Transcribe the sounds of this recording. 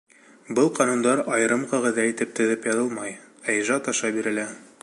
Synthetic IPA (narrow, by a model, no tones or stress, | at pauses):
bɤlˠqɒnund̪ɑɾɑjɤ̆ɾɤmqɑʁɘ̆ðæit̪ɘp̚t̪ɵ̆ðɘpjɒðɤlˠmɑj | æjʒɑt̪ɑʃɑbiɾɘ̆læ